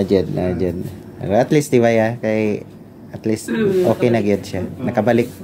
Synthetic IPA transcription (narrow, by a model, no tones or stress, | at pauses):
d͡ʒɛd̪̚nad͡ʒɛd̪pɛ̰ɾoɐt̪list̪ɪwajakaj | ʔɐt̪list̪ʔoːkɛjnɐɡɪd̪ʃanɐkɐbalɪk̚